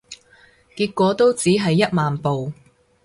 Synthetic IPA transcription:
kiː˧t̚kːʷɔː˨˥t̪o˥wt͡siː˨˥ɦɐ˨jːɐ˥t̚maː˨npo˨w

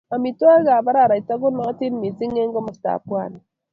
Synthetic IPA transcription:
ma˨mi˨twa˦ɣa˨βa˦ɾa˨ɾa˨i˨ta˦ɣo˦nɔ˦ti˦n˦mi˨zi˦ŋe˦ŋɡɔ˦mo˨sta̰˨pwa˦˨ni

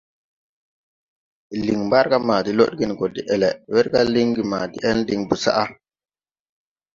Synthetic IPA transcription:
i˨li˨ŋmba˦ɾka˦maː˨di˦lo̰˦ɗɡi˦˨n˨ɡo˨di˨ʔɛ˨lɛ˨wɛ˦ɾɡa˦li˦ŋɡi˨maː˨dḭ˦ʔɛ˦ndi˨ŋbu˨sa̰˦ʔa˦

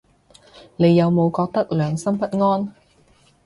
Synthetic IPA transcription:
ne˨˧jːɐ˨˧wmo˨˧wkɔː˧k̚t̪ɐ˥k̚lœː˨ŋsɐ˥mpɐ˥t̚ŋɔː˥n

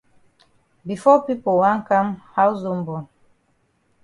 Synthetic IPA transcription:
bi˨fɔ˦pi˦po˨wã˦ŋka˦mha˦wzo˦m̩bɔ˨n

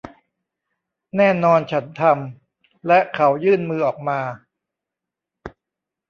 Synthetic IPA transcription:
nɛː˥˩nɔː˧nt͡ɕʰa˦˥nt̪ʰa˧m | lɛ˦˥ʔkʰa˩˦˥wjɯː˥˩nmɯː˧ʔɔː˨˩k̚maː˧

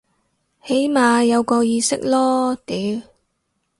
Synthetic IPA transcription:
he˨˥jmaː˨˧jɐ˨˧wkɔː˧jiː˧sɪ˥k̚lɔː˥t̪iː˨˦˥w

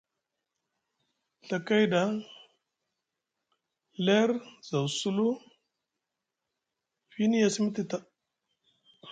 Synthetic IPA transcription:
ɬa˨ka˦jda˨˦ | le˦ɾza˨wsu˦lu˦ | fi˦ni˦ja˦˨si˦mi˦ti˦ta˦

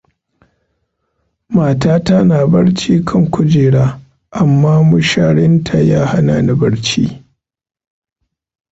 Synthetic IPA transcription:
maː˨taː˦ta˦naː˨bɐ˦ɽt͡ʃiː˦kʰɐ˦˨ŋkʷʊ˦d͡ʒeː˨ɽaː˦ | ʔa˨mːaː˦mʊ˦ʃaː˦ɽɪ˦ntʰa˨jaː˦ha˦naː˨na˨bɐ˦ɽt͡ʃḭː˦

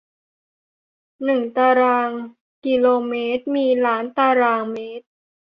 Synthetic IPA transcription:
nɯ˨˩ŋt̪aː˧ɾaː˧ŋ | ki˧loː˧meː˦˥t̪̚miː˧laː˩˦˥nt̪aː˧ɾaː˧ŋmeː˦˥t̪̚

